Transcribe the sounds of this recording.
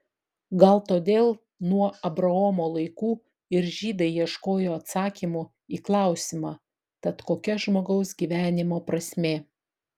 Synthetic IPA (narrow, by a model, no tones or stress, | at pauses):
ɡɐlˠt̪oːd̪ʲeːlˠ | nuɔɐbɾɐomoːlˠɐɪkuː | ɪɾʒʲiːd̪ɐɪjiɛʃkoːjoːɐt̪sɑːkʲiːmʊ | iːklˠɑˑʊsʲɪmɑː | t̪ɐt̪koːkʲɛʒmoːɡɐʊs̬ɡʲiːʋʲæːnʲɪmoːpɾɐsʲmʲeː